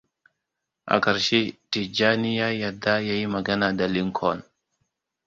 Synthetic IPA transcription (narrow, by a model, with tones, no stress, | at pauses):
ʔa̰˨ka˨ɾʃe˦ti˨d͡ʒa˦ni˦ja˦ja˨da˦ja˦jma˨ɡa˦na˨da˨li˦ŋkʰɔ˦n